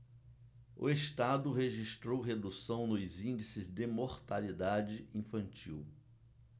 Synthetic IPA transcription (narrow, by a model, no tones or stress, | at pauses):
ʊ̰eʃt̪ad̪ʊɦeʒiʃt̪ɾowɦed̪usɐ̃w̃nʊzĩnd͡ʒisɪzd̪ɪmoɾt̪alid̪ad͡ʒɪĩfɐ̃nt͡ʃḭw